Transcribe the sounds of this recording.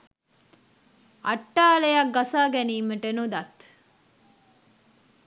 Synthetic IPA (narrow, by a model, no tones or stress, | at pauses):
ɐʈːaːlejɐɡɐsaːɡɛniːməʈenud̪ɐt̪